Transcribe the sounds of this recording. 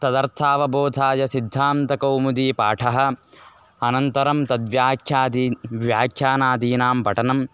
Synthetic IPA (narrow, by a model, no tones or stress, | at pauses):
t̪ɐd̪ɐɾt̪ʰaːʋɐboːd̪ʱaːjɐsid̪ʱːaːmt̪ɐkɐwmud̪iːpa̰ːʈʰɐɦɐ̆ | ɐnɐnt̪ɐɾɐmt̪ɐd̪ʋjaːkʰjaːd̪ʋjaːkʰjaːnaːd̪iːnaːmpɐʈɐnɐm